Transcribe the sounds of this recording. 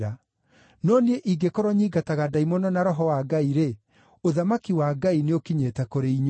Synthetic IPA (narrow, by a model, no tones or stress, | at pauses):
ɾa | nɔnieʔiɡekɔɾɔɲiɡataɣadaimɔnɔnaɾɔɦɔwaɡaiɾe | oðamakiwaɡaineokiɲetɛkoɾeiɲ